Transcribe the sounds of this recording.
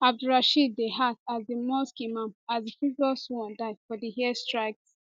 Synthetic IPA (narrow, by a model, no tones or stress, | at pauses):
ab̚duɹaʃid̚ːeɦasazdimɔskimãnazdəfiɡɔswɔ̃ndãɪfɔdihiɛstɹaɪk̚s